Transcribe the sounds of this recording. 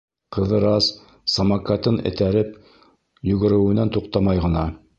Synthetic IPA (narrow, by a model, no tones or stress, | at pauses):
qɤ̆ðɤɾɑs | sɐmɑkat̪ɤnɘ̰̆t̪æɾɘp | jɵ̆ɡɘ̆ɾɘ̆wɘ̆nænt̪uqt̪ɑmɑjʁɤ̆nɑ